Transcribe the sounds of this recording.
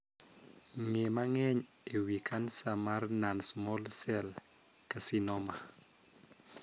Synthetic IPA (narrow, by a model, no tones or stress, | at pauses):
ŋemaŋɛɲewikʰansamarnansmɔlsɛlkasinɔma